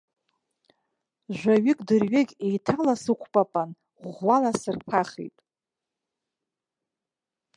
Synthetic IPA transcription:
ʒᶣʷaɥɪkʼdɨrɥɪɡʲejtʰalasɨqʷʰpʼapʼan | ʁʷːalasɨrpʰaχḛjtʼ

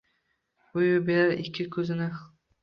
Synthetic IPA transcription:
ʊjʊbeɾaɾɪkʲʰːɪkʰʲɵzɪnɪ

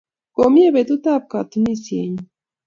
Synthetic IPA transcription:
komiebet̪ut̪ap̚kat̪unisjḛɲ

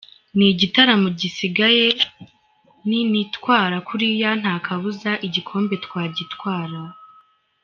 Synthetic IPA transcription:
niɟitaɾamuɟisiɡaje̞ | ninitkwaːɾakuɾijan̥haːkʰaβuzaʔiɟikʰo̞ːmbe̞tkwaːɟitwaːɾa

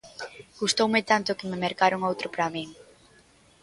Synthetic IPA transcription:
ɡ̥ust̪owmɪt̪ant̪ʊkɪmemeɾkaɾʊŋowt̪ɾʊpɾamiŋ

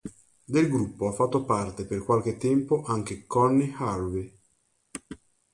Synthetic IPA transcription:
d̪elɡɾupːoafːat̪ːopart̪eperkwalk̟et̪ːɛmpoʔaŋk̟ekɔnːihaɾwi

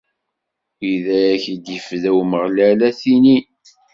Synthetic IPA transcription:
iðæɾæçid̪jəfðæwməʁlælæθini

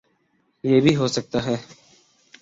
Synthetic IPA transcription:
jeːbʱiːɦoːsək̚t̪aːɦɛː

